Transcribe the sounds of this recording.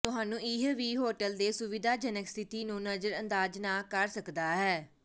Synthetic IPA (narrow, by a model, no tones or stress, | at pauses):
t̪ʊɦaːnũːɪɦʋiːɦoːʈəld̪eːsʊʋɪd̪aːd͡ʒənəkst̪ʰɪt̪iːnũːnəzəɾə̃nd̪aːd͡ʒnaːkəɾsəkd̪aːɦɛː